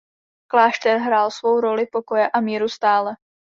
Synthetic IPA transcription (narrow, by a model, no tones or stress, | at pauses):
klaːʃt̪ɛɾɦɾaːlsvo̞wɾo̞lɪpo̞ko̞jɛʔamiːɾust̪aːlɛ